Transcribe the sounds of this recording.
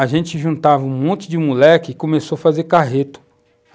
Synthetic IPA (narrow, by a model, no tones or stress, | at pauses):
aʒẽnt͡ʃɪʒũnt̪avɐũmõnt̪ʊd͡ʒɪmulɛkʲɪːkõmesowɐfazekaɦet̪ʊ̥